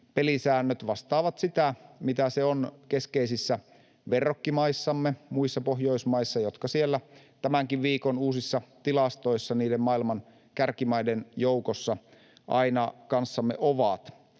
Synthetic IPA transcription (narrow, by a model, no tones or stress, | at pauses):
pelisæːnːøt̪ʋɑst̪ɑːʋɑt̪sit̪æmit̪æseonkeskeisisːæ | ʋerˑokːimɑisːɑmːemuisːɑpohjo̞ismɑisːɑjot̪kɑsielːæt̪æmæŋkiʋʋiːkonuːsisːɑt̪ilɑst̪o̞isːɑniːdemmɑilmɑn | kærkimɑidenjoukosːɑ | ʔɑinɑkɑnsːɑmːeʔoʋɑt̪